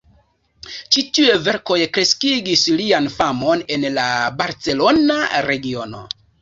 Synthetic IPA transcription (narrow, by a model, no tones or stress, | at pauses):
t͡ʃitie̞ve̞ɾko̞jkɾe̞skiɡislianfamo̞ne̞nlabaɾt͡se̞lo̞naɾe̞ɡio̞no̞̰